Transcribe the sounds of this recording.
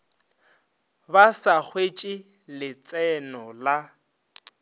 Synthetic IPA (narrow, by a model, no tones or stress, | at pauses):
basak͡xʰwet͡ʃʼi | lɪt͡sʼɛnɔla